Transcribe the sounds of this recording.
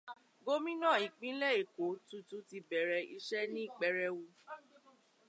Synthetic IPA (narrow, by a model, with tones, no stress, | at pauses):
ɡo˦mĩ˦nã˦˨i˨k͡pĩ˨˦lɛ˦˨e˨ko˨˦tu˧˦tu˦ti˧bɛ˨ɾɛ˨ḭ˧ʃɛ˦nĩ˦˨k͡pɛ˧ɾɛ˧wu˧